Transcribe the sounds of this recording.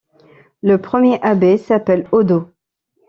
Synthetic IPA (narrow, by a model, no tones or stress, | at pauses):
ləpχəmjeʔabesapɛlod̪o